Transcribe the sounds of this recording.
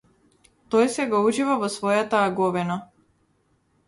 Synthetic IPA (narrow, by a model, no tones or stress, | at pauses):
t̪ɔjsɛɡɔuʒivavɔsvɔjat̪aːɡɔvina